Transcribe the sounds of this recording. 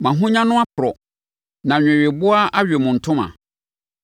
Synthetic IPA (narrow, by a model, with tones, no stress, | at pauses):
mã˨ɦʊ̃˦ɲã˦nʊ̃˦a˦pʰʊ˨ɾɔ˨ | nã˨ɲᶣɛ̃˨ɥe˨bʊ˦a˦ʔa˦ɥᶣe˨mʊ̃˨n̩˨tʰʊ̃˦mã̰˨